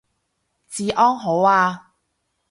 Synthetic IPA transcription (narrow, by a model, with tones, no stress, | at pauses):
t͡siː˨ʔɔː˥ŋɦo˨˥waː˧